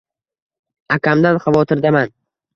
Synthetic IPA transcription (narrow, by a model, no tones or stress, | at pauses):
akʲʰamd̪anχɑvɒt̪ʰɪɾd̪aman